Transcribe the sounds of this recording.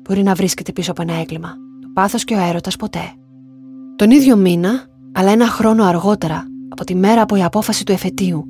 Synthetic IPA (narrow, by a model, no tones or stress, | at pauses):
b̥o̞ɾinɐvɾisce̞t̪e̞pisoɐpoe̞nɐe̞klimɐt̪opɐθo̞sce̞oe̞ɾo̞t̪ɐspo̞t̪e̞ | t̪o̞niðʝo̞minɐː | lɐe̞nɐxɾo̞no̞ɐɾɣo̞t̪e̞ɾɐːpo̞t̪ime̞ɾɐːpo̞iɐpo̞fɐsit̪ue̞fe̞t̪iu